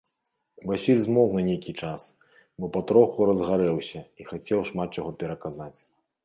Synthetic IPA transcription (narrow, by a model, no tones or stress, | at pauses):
vasʲilʲzmɔknɐnʲejkʲit͡ʂas | bɔpɐt̪ɾɔxuɾɐzɣaɾɛwsʲɐixat͡sʲɛwʂmat̪̚t͡ʂaɣɔpʲɛɾɐkazat͡sʲ